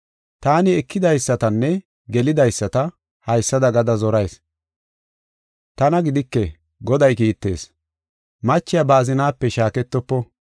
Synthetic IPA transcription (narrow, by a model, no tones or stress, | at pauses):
t̪aːnɪɛkʰːɪd̪ɐjsːɐt̪ɐnːɛ | ɡɛlɪd̪ɐjsːɐt̪ɐ | hɐjsːɐd̪ɐɡɐd̪ɐzɔɾɐjs | t̪ɐnɐɡɪd̪ɪkːɛ | ɡɔd̪ɐjkiːt̪ːe̞̰ːs | mɐt͡ʃːɪjabaːzɪnaːpːɛʃaːkɛt̪ːɔpːɔ